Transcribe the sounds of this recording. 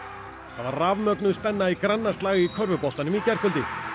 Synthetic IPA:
θavaɾravmœknʏðspɛnːaikɾanːast̪laːɣɪikʰœɾvʏpɔst̪anʏmicɛr̥kʰœlt̪ɪ

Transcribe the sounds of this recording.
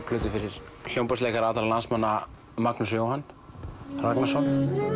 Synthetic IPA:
pʰlʏːt̪ʏfɪɾɪɾ̥ | l̥jowmpaslɛkaɾaːt̪aɾalansmanːa | maknusjowhanː | raknasɔn

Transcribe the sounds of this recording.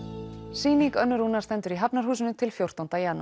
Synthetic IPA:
siːniŋkœnːʏɾuːnḁst̪ɛnt̪ʏɾiɦapnaɾ̥ɦuːsɪnʏt̪ʰɪlfjowr̥t̪ant̪ajanː

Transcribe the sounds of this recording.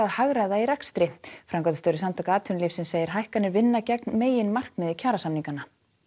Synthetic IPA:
aðhaɣɾaðaiɾɛkst̪ɾɪfɾaŋkɔt̪st̪œɾɪsamt̪ʰaːkaaːt̪ʰʏnliːfsɛnseːjɪɾ̥ɦajhkanɛɾvɪnːacɛknmeːjɪnmar̥kmɛðɪcʰaːɾasamniŋkana

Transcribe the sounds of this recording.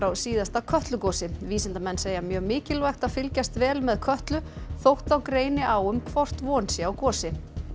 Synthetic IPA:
ɾawsiːðast̪akʰœht̪lʏkɔːsɪviːsɪnt̪amɛnːseːjamjœːɣmɪːcɪlvajxt̪aðfɪlcast̪vɛːlmɛðkʰœht̪lʏθowht̪awkɾeːjnɪʔawʏmkʰvɔr̥t̪vɔːnsɪawkɔːsɪ

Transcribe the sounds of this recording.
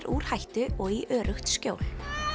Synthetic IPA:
ɾʔuːɾ̥hajht̪ʏʔɔɣiʔœːɾʔʏxt̪scjoːwl

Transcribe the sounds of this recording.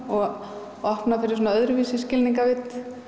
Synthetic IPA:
ɔɣ | ɔhpnafɪɾɪɾs̬onaœðɾʏvisɪscɪlniŋkavɪt̪

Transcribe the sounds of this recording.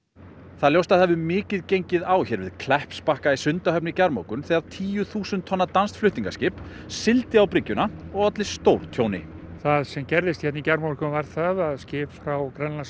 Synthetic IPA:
θaðljowst̪aðhɛvʏmɪːcɪðcejɲcɪðaːwçɛɾvɪðkʰlɛhpspahkaisʏnt̪aɦœpnɪicaɾmo̰wkʏnθɛɣaðt̪ʰiːjʏθuːsʏnt̪ʰːɔnːat̪anst̪flʏht̪niŋkascɪːp | sɪlt̪ɪawpɾɪcːʏnaɔɣɔt̪lɪ̥st̪owɾ̥t̪ʰjownɪ̰θaðsɛmcɛɾðɪst̪çɛt̪nicaɾmoɾkʰʏvaɾθaðaðscɪːpfɾawkɾanla

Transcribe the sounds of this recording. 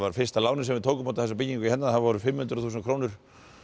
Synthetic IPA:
vaɾfɪrst̪alaːwnɪsɛmvɪðt̪ʰoːwkʏmawt̪aθɛsapɪcːiŋkʏihɛnːaθavɔɾʏfɪmːhʏnt̪ɾθuːs̬nkʰɾoːwnʏɾ̥

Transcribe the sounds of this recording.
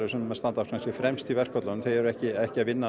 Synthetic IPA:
ɾʏsɛnmɛðst̪ant̪afkʰansɪfɾɛmst̪ʰilvɛr̥kʰɔt̪lanʏmθejðɛɾʏɛhcɪɛhcɪaðvɪnːa

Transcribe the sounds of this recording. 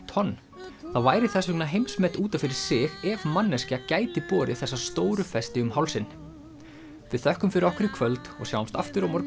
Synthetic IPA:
t̪ʰɔnː | θavaːjɾɪθɛsʏk̚naɦejmsmɛt̪uːt̪afɪɾɪɾ̥sɪɣɛvmanːɛscɪacaːjt̪ɪpɔːɾɪθɛsːast̪oːwɾʏfɛst̪ɪʏmɦawlsɪnː | vɪðθœhkʏmfɪɾɪɾɔhkɾɪkʰvœlt̪ɔ̰ɣsjawamst̪a̰ft̪ʏɾɔmɔɾ

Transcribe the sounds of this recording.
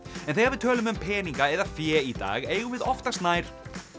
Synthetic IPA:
ɛnθeɪjɣaɾvɪðt̪ʰœːlʏmʏmpʰɛːniŋkaɛðafjɛːit̪a̰ːɣeːjɣʏmvɪðɔft̪ast̪naːjɾ̥

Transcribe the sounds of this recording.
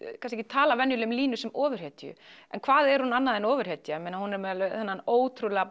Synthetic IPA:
kʰans̬ɛcɪt̪ʰaːlavɛnjʏlʏʏmliːnʏsɛmɔːvʏɾ̥het̪jʏ̰ɛnkʰvaːðɛɾ̥hunanːaðɛnɔːvʏɾ̥het̪jamɛnahunɛɾmɛðalœθɛnːanoːwt̪ʰɾulɣa

